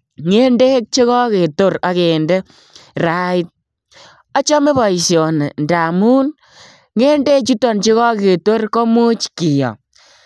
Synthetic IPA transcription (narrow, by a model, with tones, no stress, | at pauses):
ŋe˦nde˦k̚t͡ʃe˦kɔ˦ke˨to˦ɾa˨ke˨nde˦ | ɾa˦i˦t̚ | ɔ˦t͡ʃɔ˦me˦bɔ˨i˨sjɔ˨nḛ˨nda˨mu˦n | ŋe˦nde˦t͡ʃu˦tɔ˨nt͡ʃe˦ɣɔ˦ke˨to˦rkɔ˦mu˦t͡ʃki˨jɔ̰˨